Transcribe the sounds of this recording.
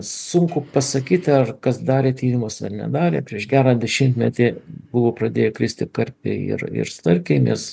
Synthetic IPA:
sʊŋkʊpɐsɐkʲiːt̪ʲɐrkɐsd̪ɑːɾʲeːt̪ʲiːɾʲɪmosɐ̰rnʲɛ̰d̪ɑːɾʲeːpʲɾʲiɛʃɡʲæːɾɐd̪ʲɛʃʲɪmʲt̪ʲmʲɛt̪ʲɪbʊʋoːprɐd̪ʲeːjɛkɾʲɪsʲt̪ʲɪkɐrʲpʲḛɪ̰rɪ̰ɾst̪ɐrʲkʲɛɪnʲɛs

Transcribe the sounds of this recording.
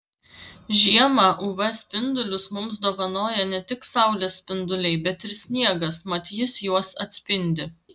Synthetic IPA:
ʒʲiɛmɑːʔuʋɐsʲpʲɪnd̪ʊlʲʊsmʊmsd̪oɔːʋɐnoːjɛnʲɛt̪ʲɪksɑˑʊlʲeːsʲpʲɪnd̪ʊlʲɛɪbʲɛt̪ɪɾsʲnʲiɛɡɐsmɐt̪ʲjɪsjuɔsɐt̪ʲsʲpʲɪnʲd̪ʲɪ

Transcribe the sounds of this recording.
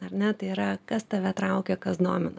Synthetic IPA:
ɐrnʲɛt̪ɐɪiɾɐkɐst̪ɐʋʲɛt̪ɾɐʊkʲekɐsd̪oːmʲɪnɐ

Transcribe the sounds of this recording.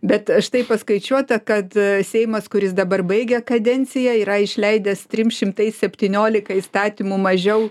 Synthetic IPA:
bʲɛt̪ɐʃt̪ɐɪpɐskɐɪt͡ʃʲuɔt̪ɐkɐt̪sʲɛɪmɐskʊɾʲɪs̬d̪ɐbɐrbɐɪɡʲɛkɐd̪ʲɛnʲt͡ssʲɪjɛiːɾɐɪʃʲlʲɛɪd̪ʲɛst̪ʲɾʲɪmʃʲɪmt̪ɐɪsʲsʲɛpʲt̪ʲiːnʲoːlʲɪkɐist̪ɑːt̪ʲimuːmɐʒʲɛʊ

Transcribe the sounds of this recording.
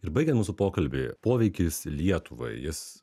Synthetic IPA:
ɪɾbɐɪɡʲɛnt̪muːsʊpoːkɐlʲbʲɪ̰poːʋʲɛɪkʲɪslʲiɛt̪ʊʋɐ̰ɪjɪs

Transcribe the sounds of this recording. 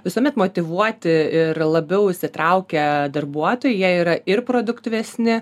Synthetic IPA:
ʋʲɪsuɔmʲɛt̪moːt̪ʲɪʋuɔt̪ʲɪɪrlˠɐbʲɛʊɪʃʲsʲɪt̪ɾɐʊkʲɛd̪ɐrbuɔt̪oːjɪjiɛiːɾɐɪrpɾoːd̪ʊkt̪ʲɪʋʲɛsʲnʲɪ

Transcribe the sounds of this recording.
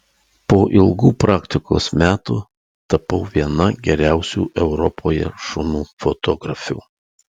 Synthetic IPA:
poːʔɪlˠɡuːpɾɑːkt̪ʲɪko̰ːsmʲæːt̪ṵː | t̪ɐpɐʊʋʲiɛnɐɡʲɛɾʲæˑʊsʲṵːʔɛʊɾɔpʰoːjɛ̰ʃʊnuːfɔt̪ɔːɡɾɐfʲṵː

